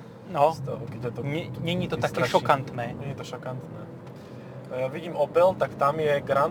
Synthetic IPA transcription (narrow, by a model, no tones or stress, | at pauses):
nɔt̪kɛt̪ɲɛɲɛɲiːt̪ɔt̪akɛːʃɔkant̪nɛːɲɛɲit̪ɔʃɔkant̪nɛ̰ː | jaʋiɟiːmɔpɛlt̪akt̪amjɛɡɾan